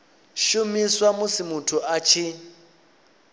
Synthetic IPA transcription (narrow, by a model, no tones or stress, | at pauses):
ʃumiswamʊsɪmutʰuʔat͡ʃʰi